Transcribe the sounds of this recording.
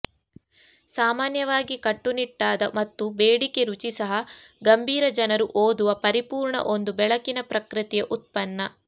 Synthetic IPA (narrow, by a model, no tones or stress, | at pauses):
saːmaːnjɐʋaːɡikɐʈːuniʈːaːd̪ɐmɐt̪ːubeːɽikeɾut͡ʃisɐɦɐɡɐmbʱiːɾɐd͡ʒɐnɐɾuʔoːd̪uʋɐpɐɾipuːɾɳɐ̰ʔo̞nd̪ubɛɭɐkinɐpɾɐkɾɨt̪ijɐʔut̪̚pɐnːɐ